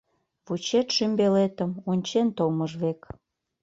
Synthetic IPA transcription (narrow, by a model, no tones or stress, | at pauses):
βut͡ɕet̪ʃymbelet̪ə̆munʲt͡ɕent̪oməʒβek